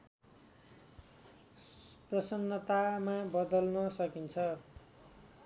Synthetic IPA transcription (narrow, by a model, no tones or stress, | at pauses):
prʌsʌnːʌt̪amabʌd̪ʌlnʌsʌkint͡sʰʌ